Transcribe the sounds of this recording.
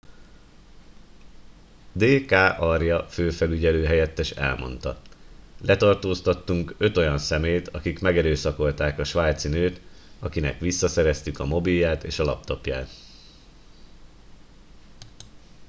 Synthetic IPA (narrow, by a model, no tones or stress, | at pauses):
d̪eːkaːʔɒrjɒføːfɛlyɟɛløːɦɛjɛt̪ːɛʃɛ̰lmo̞̰nt̪ɒ̰lɛt̪ɒrt̪oːst̪ɒt̪ːuŋkø̞t̪o̞jɒnsɛmeːjt̪ɒkikmɛɡɛɾøːsɒko̞lt̪aːkɒʃʋaːjt̪sinøːt̪ɒkinɛ̰kʋisːɒsɛɾɛst̪ykɒmo̞bijːaːt̪ḛːʃɒlɒ̰p̚t̪opja̰ːt̪